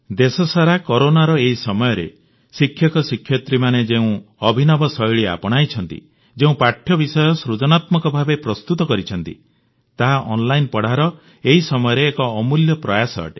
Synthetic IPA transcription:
d̪esɔsaɾakɔɾonaɾɔeɦisɔmɔjɔɾḛ | sikʰjɔkɔsikʰːjɔt̪ɾimaned͡ʒeũɔbʱinɔbɔsɔjɭia̰pɔɽ̃ajt͡ʃʰɔnt̪ḭ | d͡ʒeũpaʈʰjɔbisɔjɔsɾud͡ʒɔnat̪mɔkɔbʱabepɾɔst̪ut̪ɔkɔɾit͡ʃʰɔnt̪ḭ | t̪aɦaʔɔnlajnpɔɽ̤aɾɔ | eɦisɔmɔjɔɾeːkɔːmuljɔpɾɔjasɔ̰ɔ̰ʈi̥

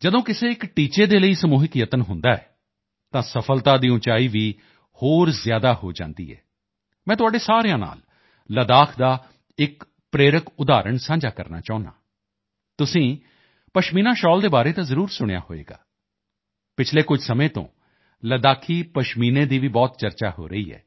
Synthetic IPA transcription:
d͡ʒəd̪õːkɪseːɪkʈiːt͡ʃeːd̪eːləiːsəmuːɦɪkjət̪ənɦʊnd̪aːɛː | t̪ãːsəpʰəlt̪aːd̪iːʊ̃t͡ʃaːiːʋiː | hoːɾzjaːd̪aːho̰ːd͡ʒã̰ːnd̪ḭːɛ̰ː | mɛ̃ːt̪̬ʊaːɖeːsaːɾejãːna̰ːl | ləd̪aːkʰd̪aː | ɪk | pɾeːɾəkʊd̪aːɾəɳsãːɲd͡ʒaːkəɾna̰ːt͡ʃaːʊ̃na̰ː | t̪ʊsĩː | pəʃmiːnãːʃɔːld̪eːbaːɾeːt̪ãːzəɾuːɾsʊɽ̃ja̰ːho̰ːḛːɡa̰ː | pɪt͡ʃʰleːkʊd͡ʒʱsəmẽːt̪õ̰ː | ləd̪aːkʰiːpəʃmiːnẽːd̪iːʋiːbɔːt̪̚t͡ʃəɾt͡ʃa̰ːɦo̰ːɾəiːɦɛ̰ː

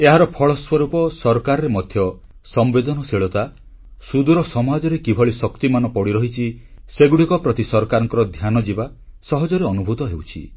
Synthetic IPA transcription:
eɦaɾɔpʰɔɭɔswɔɾupɔsɔɾɔkaɾɔɾemɔd̪ʱjɔ | sɔmbed̪ɔnɔseɭɔt̪a | sud̪uɾɔsɔmad͡ʒɔɾekibʱɔɭisɔkt̪imanɔpɔɽiɾɔɦit͡ʃʰiseɡuɽikɔpɾɔt̪isɔɾɔkaɾɔŋkɔɾɔd̪ʱjanɔd͡ʒiba | sɔɦɔd͡ʒɔɾeɔnubʱut̪ɔɦewt͡ʃʰḭ

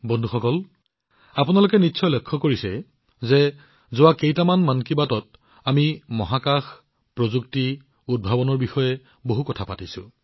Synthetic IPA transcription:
bɔndʱuxɔkɔl | apunalʊkɛnitːsʰɔjlɔkʰːɔkoɹisɛ | zɛ | zʊwakejtamanmankibatɔt̚ | amimɔɦakax | pɹozukti | ud̚bʱabɔnɔɹbixɔjɛ | boɦukɔtʰapatisʊ̰̃

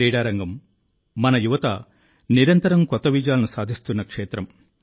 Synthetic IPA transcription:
iːɽaːɾɐŋɡɐmː | ɐnɐjuʋɐt̪ɐ̰ | niɾɐnt̪ɐɾɐmkɔt̪ːɐʋid͡ʒjaːlɐnusaːd̪ʱist̪unːɐkʂeːt̪ɾɐm

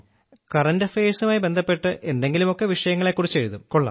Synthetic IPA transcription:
kɐrɐndɐfeːsɐmaːjibe̞nd̪ʱɐpːe̞ʈːɨʔe̞nd̪e̞ŋɡilumo̞kːe̞ʋiʂɐjɐŋːɐɭekːurit͡ɕːeɻuðumkoɭːɐ̰

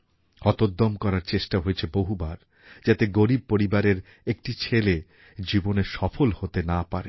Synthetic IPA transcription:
ɔt̪od̪ːomkɔɾaɾt͡ɕeʃʈaɦoet͡ɕʰeboɦubaɾ | d͡ʑat̪eɡoɾib̚poɾibaɾeɾ | ek̚ʈit͡ɕʰele | d͡ʑiboneɾʃɔfolhot̪enapaɾḛ

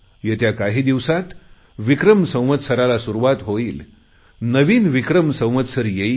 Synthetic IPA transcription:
jet̪jakaɦiːd̪iʋsat̪ | ʋikɾəmsə̃w̃ʋət̪səɾalasuɾuʋat̪ɦoiːl | nəʋiːnʋikɾəmsə̃w̃ʋət̪səɾjei

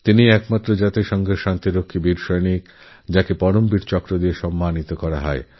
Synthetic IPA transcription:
t̪iniɛkmat̪ːɾod͡ʑat̪eʃɔŋɡʱeɾʃant̪iɾokʰːibiɾʃɔjnik | d͡ʑakepɔɾombiɾt͡ɕɔkɾod̪ieʃɔmːanit̪okɔɾaɦɔe

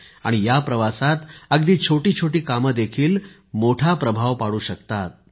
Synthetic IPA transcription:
a̰ɽ̃ijapɾəʋasat̪əɡd̪iːt͡ɕʰoʈiːt͡ɕʰoʈiːkaməd̪ekʰiːl | moʈʰapɾəbʱaʋpaɽuːɕəkt̪at̪̚

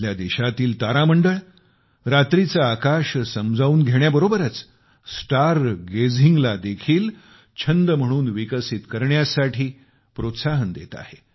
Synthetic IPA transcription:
ljad̪iɕat̪iːlt̪aɾaməɳɖəɭ | ɾat̪ɾit͡saːkaɕsəmd͡zʱauːnɡʱeɳjabəɾobəɾət͡s | sʈaɾɡed͡zʱiŋɡlad̪ekʰiːl | t͡ɕʰənd̪əm̤əɽ̃uːnʋikəsit̪kəɾɳjasaʈʰiː | pɾot̪saɦənd̪et̪a̰he

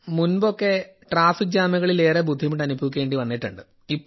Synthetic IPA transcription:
munbo̞kːe̞ʈraːfikːɨd͡ʑaːmɐɣɐɭile̞ːrebud̪ʱːimiʈːɐnubʱɐʋik̬ʲːe̞ːɳɖiʋɐnːiʈːuɳɖɨ | ipː

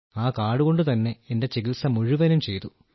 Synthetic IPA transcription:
aːkaːɽuɣo̞ɳɖɨt̪ɐnːe̞ende̞t͡ɕeɡit̪sɐmuɻiʋɐnumt͡ɕe̞jt̪u

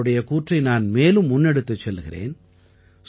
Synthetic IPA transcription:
ɽɐjɐkuːʈrɐɪnaːnmeːlɯmːʊnːɛɽɯt̪ːɯt͡ʃːɛlɣɪrḛːn | s

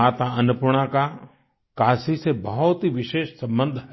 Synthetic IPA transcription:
aːt̪aənʊpʊɾɽ̃ãka | kaːsisebəɦɔt̪ɦiʋɪʃeːʃsə̃mbə̃nd̪ʱɦɛ

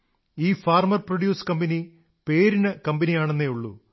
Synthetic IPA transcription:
iːfaːrmɐrproɖjuːskɐmbɐni | pe̞ːɾinɨkɐmbɐnijaːɳenːejuɭːṵ

